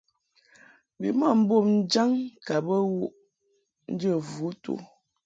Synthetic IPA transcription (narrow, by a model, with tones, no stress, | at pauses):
bḭ˨ma˦˨m̩˦bo˦˨mn̩˦d͡ʒa˦ŋka˨bə˦wu˦ʔ | n̩˦d͡ʒə˦˨vu˨˦tṵ˨